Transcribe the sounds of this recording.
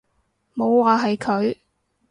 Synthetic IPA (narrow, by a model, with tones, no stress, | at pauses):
mo˨˧wwaː˨˧ɦɐ˨jkʰɵ˨˧ɥ